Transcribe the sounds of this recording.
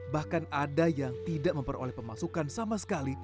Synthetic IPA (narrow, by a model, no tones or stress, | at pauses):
bahkanadajaŋt̪idaʔməmpəro̰lɛhpəmasukansamasə̥kali